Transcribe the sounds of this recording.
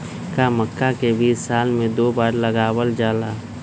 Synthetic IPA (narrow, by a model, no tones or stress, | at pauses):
kaməkːakebʱiːsːaːlmẽd̪oːbaːɾləɡaːwəld͡ʒaːlaː